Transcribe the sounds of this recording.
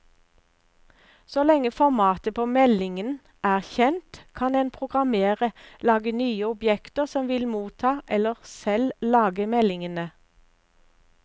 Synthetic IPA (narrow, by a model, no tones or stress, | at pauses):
solɛŋəfɔʁmɑːt̪əpʰoːmɛlɪŋən | æːʁçɛnt̪kʰɑneːnpʰʁʊɡʁɑmeːʁəlɑːɡənyːəʊbjɛkt̪əʁsɔmʋɪlmuːt̪ʰɑːʔɛləʁsɛllɑːɡəmɛlɪŋənə